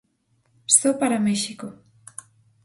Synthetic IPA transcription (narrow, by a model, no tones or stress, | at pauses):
sopaɾameʃiko